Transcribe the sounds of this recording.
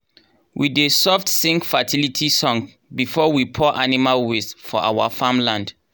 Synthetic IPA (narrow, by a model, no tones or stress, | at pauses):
wʔidesɔftsĩŋkfatʰilitʰisɔ̃ŋ | bifɔwipʰɔʔanimalwesfɔʔawafãmlãnd̥